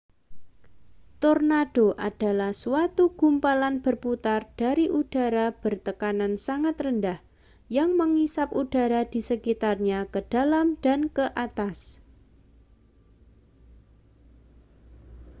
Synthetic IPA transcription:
t̪ornad̥oʔad̥alahsuat̪uɡ̥umpalanb̥ərput̪ard̥aɾiʔud̥aɾab̥ərt̪əkanansaŋat̪rəndah | jaŋməŋisapud̥a̤ɾad̥i̤səkit̪arɲakəd̥alamd̥ankəʔat̪as

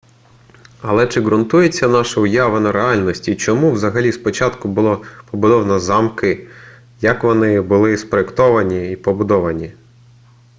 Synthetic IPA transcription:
ɐlˠɛt͡ʃɪɣɾʊnt̪ujet͡sʲːɐnɑʃɐʊjɑʋɪnɐɾeɑlʲnɔsʲtʲit͡ʃɔmuwzɐɦɐlʲispɔt͡ʃɑt̪kʊbʊlˠɔpɔbʊd̪ɔwnɐzɑmkɪ | jɐkʋɔnɪbʊlˠɪspɾɔekt̪ɔʋɐnʲiipɔbʊd̪ɔʋɐnʲi

